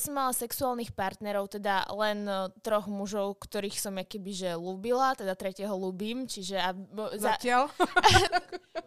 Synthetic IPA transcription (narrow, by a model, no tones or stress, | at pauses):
sɔmːalasɛksuaːlˠnixpaɾt̪nɛɾɔʊt̪ɛd̪alɛnt̪ɾɔɣmuʒɔʊkt̪ɔɾiːxsɔmakɛbiʒɛluːbilat̪ɛd̪at̪ɾɛcɪɛɦɔluːbiːmt͡ʃiʒɛazaɪal